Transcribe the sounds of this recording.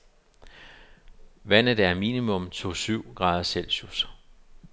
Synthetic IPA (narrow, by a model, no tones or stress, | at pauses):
ʋæn̰d̥æɐmiːnimɔ̽mt͡sʰo̝syʊ̰ɡ̥ʁɑ̈ːðˠɐsel̰ɕus